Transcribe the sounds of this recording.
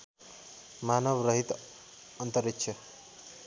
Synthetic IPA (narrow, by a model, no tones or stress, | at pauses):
manəʋɾəɦit̪ | ənt̪əɾikt͡ʃʰə